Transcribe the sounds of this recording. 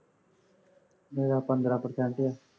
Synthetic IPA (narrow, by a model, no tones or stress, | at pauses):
meːɾaːpənd̪ɾaːpəɾsɛːɳʈɪjaː